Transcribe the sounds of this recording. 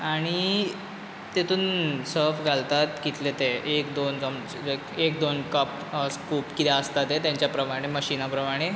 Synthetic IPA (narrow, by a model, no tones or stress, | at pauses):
aɽ̃i | t̪et̪ʰuːnsəɾfɡʱalt̪at̪kit̪let̪eekd̪ond͡zəm | ekekd̪onkəp | əskuːpkit̪eəst̪at̪et̪jãɲt͡ɕjapɾəmaɽ̃eməɕinapɾəmaɽ̃e